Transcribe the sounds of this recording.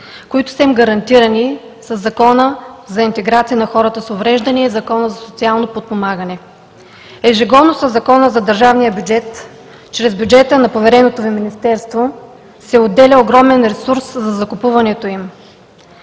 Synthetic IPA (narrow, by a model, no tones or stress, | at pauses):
koit̪ʊ̥sɛimɡɐɾɐnt̪iɾəni | sɐzːɐkɔnəzɐint̪ɛɡɾat̪sijənɐxɔɾət̪əsovɾɛʒd̪ɐniɛizɐkɔnəzɐsot̪sialˠnopot̪̚pomaɡənɛ | ɛʒɛɡɔd̪nosɐzːɐkɔnəzɐd̪əɾʒavnijəbʲjud͡ʒɛt̪ | t͡ʃɾɛzbʲjud͡ʒɛt̪ənɐpovɛɾɛnot̪oviminist̪ɛɾst̪vo | sɛod̪ːɛlʲəoɡɾɔmɛnɾɛsuɾszɐzɐkupuvɐnɛt̪oim